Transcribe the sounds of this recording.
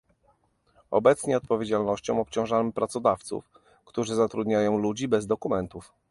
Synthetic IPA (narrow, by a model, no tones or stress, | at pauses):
ɔ̰bɛt̪sɲɛɔt̪̚pɔvʲjed͡ʑalnɔɕt͡ɕɔ̃w̃ɔpt͡ɕɔ̃w̃ʐamɘpɾat̪sɔd̪aft̪sṵf | kt̪uʐɘzat̪ɾud̪ɲajɔ̃w̃lud͡ʑibɛzd̪ɔkumɛnt̪uf